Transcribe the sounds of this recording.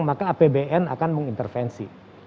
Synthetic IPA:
ŋmakaːpebeʔɛna̰kanməŋint̪ərfɛnsḭ

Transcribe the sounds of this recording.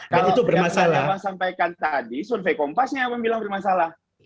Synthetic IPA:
kbaalit̪ubərmasalaaŋsampajkant̪adisunfekɔmpasɲaːpaŋbilaŋbərmasalah

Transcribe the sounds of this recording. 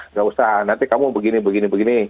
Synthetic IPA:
ŋɡaʔusaɦanant̪ikamubəɡinibəɡinibəɡini

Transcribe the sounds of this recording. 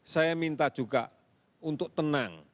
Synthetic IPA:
sajamint̪ad̥ʒ̥uɡ̥a | unt̪ʊk̚t̪ənaŋ

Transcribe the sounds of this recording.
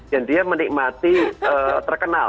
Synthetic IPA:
jandiamənik̚mat̪iət̪ərkəna̰

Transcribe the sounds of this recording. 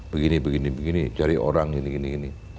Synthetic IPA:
bəɡinibəɡinibəɡinid͡ʒaɾio̰ɾaŋiniɡiniɡini

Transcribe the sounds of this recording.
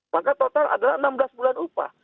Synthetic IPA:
makat̪ot̪ala̰dalaənamblasbulanupa̰

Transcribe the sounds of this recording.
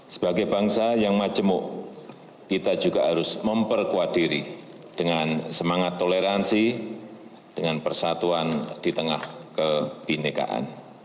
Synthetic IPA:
sə̥b̥aɡajbaŋsajaŋmad͡ʒəmʊʔ | kit̪ad͡ʒuɡaɦaɾʊsməmpərkuad̪̥iɾḭ | d̥əŋansəmaŋat̪ːoleɾansi | d̥əŋanpərsat̪uand̥it̪əŋahkəb̥inika̰ʔa̰n

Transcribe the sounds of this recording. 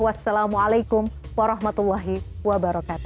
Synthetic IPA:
wasːalamualajkʊmwaɾˤɑɦmat̪ulːɑɦiwabaɾɑkaːt̪u

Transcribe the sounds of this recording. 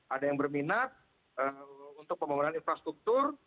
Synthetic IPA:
ʔadajaŋbərminat̪̚ | əunt̪ʊk̚pəmaŋananinfɾast̪ɾuk̚t̪ʊr

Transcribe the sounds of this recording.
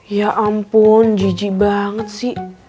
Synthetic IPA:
jaʔampʊnd͡ʒid͡ʒibaŋət̪̚sɪh

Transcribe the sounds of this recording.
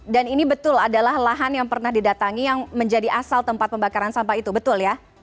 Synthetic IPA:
daninibət̪ʊladalahlaɦanjaŋpərnahdidat̪aŋijaŋməɲd͡ʒadiʔasalt̪əmpat̪̚pəmbakaɾansampait̪ubət̪ʊlja

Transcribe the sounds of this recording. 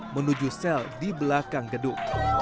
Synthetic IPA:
mənud͡ʒusɛldibəlakaŋɡədʊk̚

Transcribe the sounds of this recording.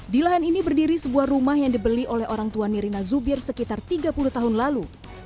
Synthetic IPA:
dilaɦaninibərdiɾisəbuahrumaɦjaŋdibəliʔolɛɦoɾaŋt̪uaniɾinazubɪrsəkit̪art̪iɡapuluht̪aɦʊnlalu

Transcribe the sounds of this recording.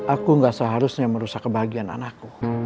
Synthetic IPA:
ʔakuŋɡaʔsəɦaɾusɲaməɾusakːəbaɦaɡiana̰nakːu

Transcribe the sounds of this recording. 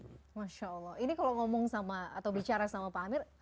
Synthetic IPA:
maʃaːlːɔhinikaloŋɔmɔŋsamaa̰t̪awbit͡ʃaɾasamapaːmɪr

